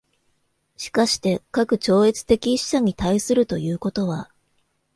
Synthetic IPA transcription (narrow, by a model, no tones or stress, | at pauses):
ɕi̥kaɕi̥t̪e̞kakɯ̟t͡ɕo̞ːe̞t͡sɨ̥t̪e̞kʲiɕi̥ɕaɲ̟it̪aisɨɾɯ̟t̪o̞jɯ̟ːko̞t̪o̞β̞a